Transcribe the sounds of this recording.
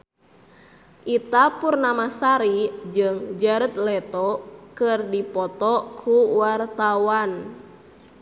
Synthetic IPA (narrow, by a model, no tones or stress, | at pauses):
ʔit̪apurnamasaɾid͡ʒɨŋd͡ʒaɾət̪̚lɛt̪ɔkɨrdipɔt̪ɔkʰuwart̪awan